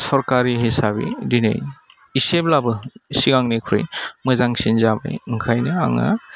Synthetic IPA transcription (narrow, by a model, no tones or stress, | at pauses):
sɔɾkaɾiɦisabḭdinɯ̰j | iseblabɯsiɡaŋnikʰɾḭjmɯzaŋsinzaba̰jɯŋkʰajnɯa̰ŋa̰